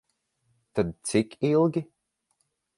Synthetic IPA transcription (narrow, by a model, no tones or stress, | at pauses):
t̪ad̪̚t͡sɪkʰilˠɡi